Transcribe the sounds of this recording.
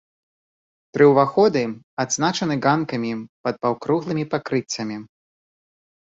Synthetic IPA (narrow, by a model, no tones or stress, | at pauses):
t̪ɾɨwvaxɔd̪ɨ | ad̪znat͡ʃɐnɨɣankɐmʲipɐd̪̚pawkɾuɣlˠɨmʲipakɾɨt͡sʲːɐmʲi